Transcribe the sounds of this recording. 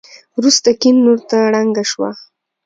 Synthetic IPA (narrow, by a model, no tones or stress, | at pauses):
wɾust̪akinːoɾt̪aɽaŋɡaʃwa̰